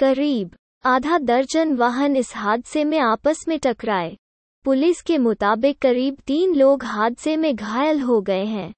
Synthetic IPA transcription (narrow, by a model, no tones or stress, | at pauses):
kɐɾiːb | aːd̪ʱad̪ɐɾd͡ʒənʋaːɦənɪsɦaːd̪ɪsemẽaːpəsmẽʈɐkɾaːeː | pʊlɪskemʊt̪aːbɪkːɐɾiːbt̪iːnloːɡɦaːd̪ɪsemẽɡʱaːjəlɦoɡɐeɦɛ̃ː